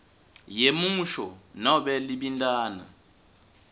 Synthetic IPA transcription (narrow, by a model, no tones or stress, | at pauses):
jemuʃɔnɔɓɛlibindʼaːna̰